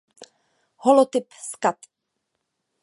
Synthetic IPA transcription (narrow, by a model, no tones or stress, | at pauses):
holot̪ɪpskat̪